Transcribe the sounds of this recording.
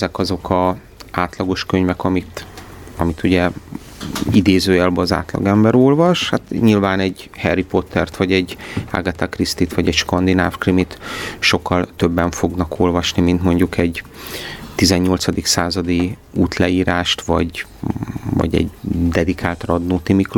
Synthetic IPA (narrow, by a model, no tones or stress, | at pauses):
ɛzɛkɒzo̞kʰɒ | aːt̪lɒɡo̞ʃkøɲvɛkɒmit̪ | ɒmit̪uɟɛ | id̪eːzøːɛlbøɒza̰ːt̪lɒ̰ɡɛmbɛɾolvɒʃhat̪ɲilvaːnɛɟhɛrːipo̞t̪ʰːɛrt̪ʋɒɟɛɟa̰ɡɛt̪akrist̪it̪ʋɒɟɛcʃkɒnd̪ina̰ːfkrimit̪ʃo̞kːɒlt̪øbːɛɱfo̞ɡnɒkʰo̞lvɒʃnimint̪mo̞ɲɟukʰɛɟ | t̪izɛɲːo̞lt̪sɒd̪iksaːzɒd̪i | uːt̪lɛiːɾaːʃt̪ʋɒ̰ɟ | vɒ̰ɟɛ̰ɟd̪ɛd̪ikʰaːlt̪rɒd̪noːt̪imik